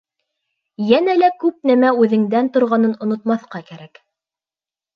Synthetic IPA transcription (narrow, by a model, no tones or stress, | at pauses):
jænælækʉp̚næmæʉðɘ̆ŋd̪ænt̪ŏɾʁɑnɤnŏnŏt̪mɑθqɑkæɾæk